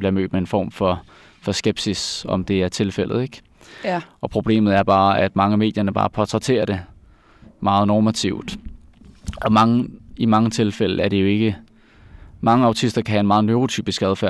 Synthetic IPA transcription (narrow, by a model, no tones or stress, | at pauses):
bliɐmø̰ːd̥mee̝nfɒ̰ːmfɒ̽ | fɒ̽sɡ̥eb̥sisɒ̽md̥e̝æɐt͡sʰe̝lfel̰ð̩ˠeɡ̥ | ʔɒ̽pʰʁo̝b̥le̝̰ːmð̞̩ˠæɐb̥ɑ̈ːæd̥mɑ̈ŋəme̝ːd̥jɐnəb̥ɑ̰̈ːpʰɒt͡sʰʁɛt͡sʰe̝̰ːɐɾ̥e̝ | mɑ̈ːð̞̩ˠnɒːmæt͡sʰiʊd̥ | ʔɒ̽mɑ̈ŋəimɑ̈ŋət͡sʰe̝lfel̰̩æɐɾ̥e̝jo̝e̝ɡ̥ə | mɑ̈ŋəɑ̈ʊt͡sʰisd̥ɐkʰæhæe̝nmɑ̈ːð̩ˠnloːʁot͡sʰy̰ːb̥isɡ̥æðˠfæɐ̰